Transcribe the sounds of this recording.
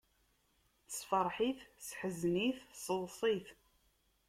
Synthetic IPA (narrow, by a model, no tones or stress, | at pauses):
θsfɑɾˤħiθsħəzniθsəlsˤiθ